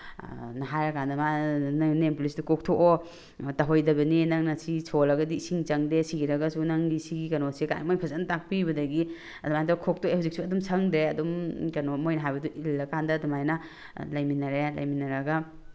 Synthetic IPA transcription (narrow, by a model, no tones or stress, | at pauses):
nɐɦajɾɐkandɐmanaŋnempulisdukok̚tʰoʔo | tɐɦojdɐbɐninɐŋnɐsisʰolɐɡɐdiːsiŋt͡ʃɐŋdesiɡiɾɐɡɐsunaŋɡisiɡikɐnoseka̰jmojpʰɐzɐntak̚pibɐdɐɡi | ɐdɔmajdɔkʰok̚tʰoehawzik̚suɐdumsʰɐŋdɾeɐdumkɐnomojnɐɦajbɐduʔilːɐkʰandɐːdɔmajnɐ | lɐjminɐɾelɐ̰jminɐɾɐɡɐ